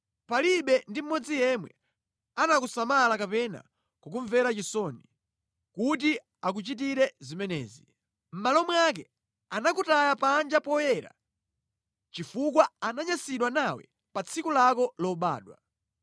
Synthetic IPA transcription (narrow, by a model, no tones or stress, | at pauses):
paliɓɛndim̩mɔd͡zijɛmwɛ̰ | anakusamalakapɛna̰ | kak̬uɱvɛɾat͡ʃisɔni | kut̬i | ak̬ut͡ʃit̬iɾɛzimɛnɛ̰ːzi | m̩malɔmwak̬ɛ | anakutajapand͡ʒapɔjɛɾa̰ | t͡ʃifuk̬waanaɲasiɗwanawɛ̰ | pat͡sʰikulakɔlɔɓa̰ːɗwa